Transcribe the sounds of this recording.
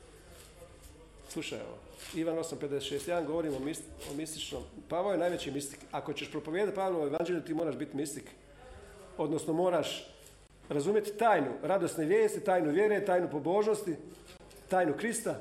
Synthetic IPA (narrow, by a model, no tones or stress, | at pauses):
slˠuʃa̰jḛʋo̰ | iʋano̞samped̪eset̪ʃest̪jd̪anɡoʋo̞ɾiːmomio̰mist̪it͡ʃno̰mpaʋoojenaːjʋet͡ɕimist̪i̥kakot͡ɕeʃpɾopoʋjed̪at̪̚paːʋlˠoojeʋand͡ʒelʎʲut̪iːmoːɾaʒbit̪mist̪ik | o̞d̪nosno̞mo̞ːɾaʃ | ɾazuːmjet̪t̪aːjnuɾad̪osneʋjeːst̪it̪aːjnuʋʲjeːɾe̞t̪aːjnupo̞bo̞ːʒnost̪i | t̪aːjnukɾist̪a